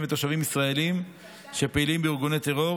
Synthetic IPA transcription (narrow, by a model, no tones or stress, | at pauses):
met̪oʃavimisʁae̞lim | ʃe̞peilimbeiʁɡunet̪eʁo̞